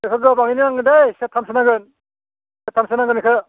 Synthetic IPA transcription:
ekʰɯɡɯbaŋiniaŋɡɯdajsetʰːamsɯnaɡɯn | setʰamsɯnaɡɯnikʰɯ

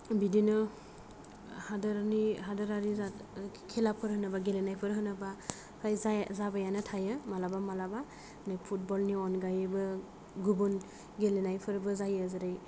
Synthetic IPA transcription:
bidinɯ | hadɯɾniɦadɯɾaɾiza | kʰelapʰɯɾɦɯnabaɡelenajpʰɯɾɦɯnaba | kʰɾajzazabajanɯtʰajɯmalabamalaba | nipʰut̚bɔlniɔnɡajbɯ | ɡubun | ɡelenajpʰɯɾbɯzajɯzɯɾaj

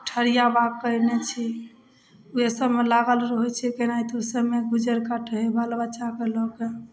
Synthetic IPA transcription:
ʈʰəɾijabakəinet͡ʃʰi | uesəbmelaɡəlɾəɦɛt͡ʃʰɛkenajt̪ɔsəbmeɡud͡ʒəɾkaʈʰəɦebəlbət͡ʃakelɔke

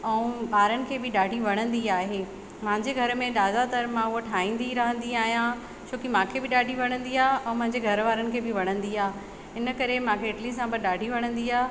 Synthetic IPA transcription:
ɛ̃ũɓaːɾənɪ̆kʰeːbɪɗaːɖʱiʋɐɽ̃ə̃nd̪iaːɦeː | mɦɪ̃ɲd͡ʑeɡʱɐɾmẽɗ̪aːd̪at̪ɐɾmãʊɦoʈʰaːĩːn̆d̪iɾɐɦə̃n̆d̪iaːɦijã | t͡ɕʰoːkimãːkʰebɪɗaːɖʱiʋɐɽ̃ə̃nd̪iaːɛ̃mɐ̃ɦɪ̃ɲd͡ʑeɡʱɐɾʋaːɾənɪ̆kʰeːbɪʋɐɽ̃ə̃nd̪iaː | ɪnə̆kɐɾemãkʰeɪʈlĩsãbɪɗaːɖʱiʋɐɽ̃ə̃nd̪iaː

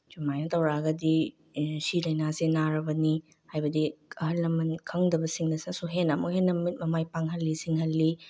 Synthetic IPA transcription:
d͡ʒumajnɐtɐwɾaɡɐdi | silɐjnasenaɾɐbɐni | hajbɐdiɐhɐlːɐmɐnkʰɐŋdɐbɐsiŋnɐsnɐsuɦenɐmukhenːɐmit̚mɐmajpaŋɦɐlːisiŋhɐlːi

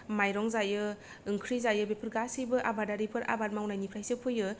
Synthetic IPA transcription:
majɾɔŋzajɯ | ɯŋkʰɾizajɯbepʰɯɾɡasɯjbɯʔabadaɾipʰɯɾʔa̰bat̚mawnajnipʰɾajsɯpʰɯjɯ

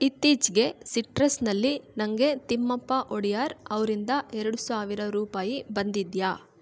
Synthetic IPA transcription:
it̪ːiːd͡ʒɡe̞siʈɾɐsnɐlːinɐŋɡe̞t̪imːɐpːɐʔoɽijaːɾɐʋɐɾind̪ɐʔɛɾɐɽusaːʋiɾɐɾuːpaːjibɐnd̪id̪jaː

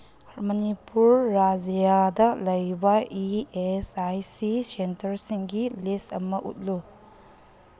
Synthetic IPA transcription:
mɐnipuɾːad͡ʒijadɐlɐjbɐiesajsisentɐɾsiŋɡilesɐmɐʔṵt̚lu

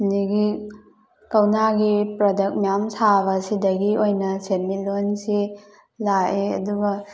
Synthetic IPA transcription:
niɡi | kɐwnaɡipɾodɐk̚mijamsaβɐsidɐɡiojnɐsenmilonsi | laʔeɐ̰duɡɐ

